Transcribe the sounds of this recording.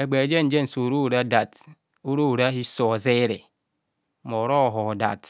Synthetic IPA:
e˨ɡ͡be˨d͡ʒe˦n̩˦d͡ʒe˦n̩˨so˨ɾu˦˨ɾa˦da˨t | u˦ɾo˦u˨ɾa˦ɦi˦so˨ze˦ɾḛ˨ | mo˨ɾɔ˦˨ɦɔ˨da̰˨t

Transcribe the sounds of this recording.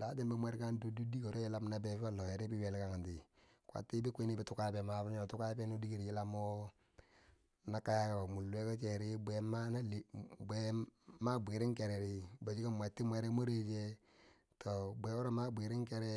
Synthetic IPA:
daː˨˦de˦mbi˦mʷe˦ɾka˦ndo˦du˦di˦ko˨ɾo˦ji˦la˦mna˨be˨fa˦lo˨je˨ɾi˦bi˦we˨lka˨ŋa˨nti˨ | kwa̰˨tːi˦bi˦kʷi˦ni˦bi˦tu˦ka˦be˨ma˨fa˦ɲo˨tu˦ka˦be˦no˦di˦ɡo˨ɾi˨ji˦la˦mo˦ | na˨ka˦ja˦ka˨mu˨lːu˦e˦ka˦t͡ʃe˨ɾi˦be˨˦ma˦na˦lbe˦ma˦bʷi˨ɾɪ˦ŋke˨ɾɛ˨ɾi˦ba˨d͡ʒi˦ka˦mʷ˨e˨tːi˦mʷe˦ɾe˦mo˦ɾe˦d͡ʒe˦ | tʰo˨be˨o˦ɾo˦ma˦bʷi˨ɾi˦ŋkɛ˦ɾɛ˦

